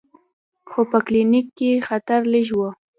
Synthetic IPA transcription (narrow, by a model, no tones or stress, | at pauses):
xopəklinɪkːexat̪aɾlɪʒwo